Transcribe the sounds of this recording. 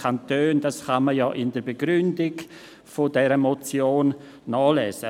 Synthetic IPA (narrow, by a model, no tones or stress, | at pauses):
antøːnd̥asχaməjɔːʔɪndəɾbeɡɾʏndɪɡ | fodɛɾəmot͡sjoːnː | ɔːlɛːzə